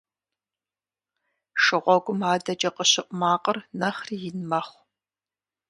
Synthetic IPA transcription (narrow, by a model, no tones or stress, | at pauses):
ʃɨʁʷɔɡʷʊmaːdɐd͡ʒʼɐqəɕɪʔʷʼmaːqʼərnɐχrijɪnmɐχʷ